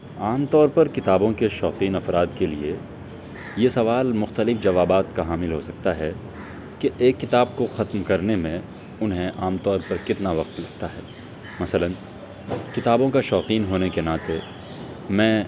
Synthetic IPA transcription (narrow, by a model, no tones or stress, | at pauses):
aːmt̪ɔːɾpɐɾkɪt̪aːbõkeʃɔːqiːnɐfɾaːd̪kelḭe | jesɐʋaːlmʊxt̪əlɪfd͡ʒɐʋaːbaːt̪kaɦaːmɪlɦosɐk̚t̪aɦɛ | keʔeːkːɪt̪aːb̚koxɐt̪mkɐɾnemẽ | ʊnɦẽʔaːmt̪ɔːɾpɐɾkɪt̪naʋɐq̚t̪lɐɡ̚t̪aɦɛː | mɐsələn | kɪt̪aːbõkaʃɔːqiːnɦoːnekenaːt̪e | mɛ̃ː